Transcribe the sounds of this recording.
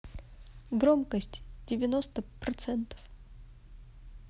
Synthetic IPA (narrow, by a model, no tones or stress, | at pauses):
ɡɾomkəsʲtʲdʲɪvʲɪnost̪əpɾɐt̪sɛnt̪ə̥f